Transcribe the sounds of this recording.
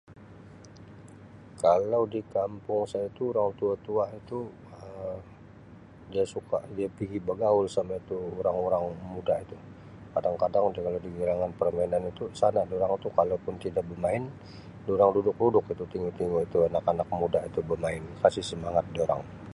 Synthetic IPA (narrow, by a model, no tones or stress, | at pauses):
kalawdikampʊŋsajait̪uːɾaŋt̪uat̪uait̪u | ə | diasuka̰ʔdiapiɡibəɡaʊlsamait̪uːɾaŋoɾaŋmudait̪u | kadaŋkadaŋdkalawdiɡiɾaŋanpərmainanit̪usanaʔdioɾaŋit̪ukalapʊnt̪idaʔbəmaɪn | doɾaŋdudʊk̚ludʊkit̪ut̪iŋɡʊt̪iŋɡuit̪uanakanak̚mudaʔit̪ubəmaɪnkasɪhsəmaŋat̪̚dioɾa̰ŋ